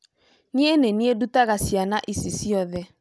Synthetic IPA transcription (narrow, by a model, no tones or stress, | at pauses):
nieneniedutaɣasjanaʔisisiɔðɛ